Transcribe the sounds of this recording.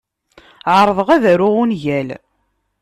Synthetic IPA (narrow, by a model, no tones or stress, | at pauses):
ʕəɾˤðˤəʁæðæɾʊʁunʝæl